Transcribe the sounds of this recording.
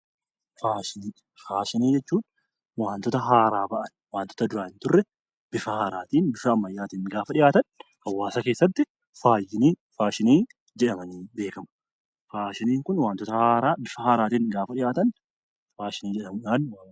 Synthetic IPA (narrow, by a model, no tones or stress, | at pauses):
faːʃɪniː | faːʃɪniːd͡ʒɛt͡ʃːuːn | waːnt̪ɔt̪ɐɦaːɾaːbɐʔɐnwaːnt̪ɔ̥t̪ɐd̪ʊɾaːɪnt̪ʊrːɛ | b̥ɪfɐhaːɾaːt̪iːnbɪfɐɐmːɐjːaːt̪iːnɡaːfɐᶑɪjaːt̪ɐnhɐwːaːsɐke̞ːsːɐt̪ːɪ | faːjːɪniː | faːʃɪniː | d͡ʒɛᶑɐmɐniːbe̞ːkɐmɐ̥ | faːʃɪniːŋkʊnwaːnt̪ɔt̪ɐhaːɾaːbɪfɐhaːɾaːt̪iːŋɡaːfɐᶑɪjaːt̪ɐn | faːʃɪniːd͡ʒɛᶑɐmʊᶑaːnː